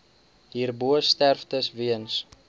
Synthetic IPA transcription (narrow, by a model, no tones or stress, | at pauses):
ɦiːrbuəstærftəsviəns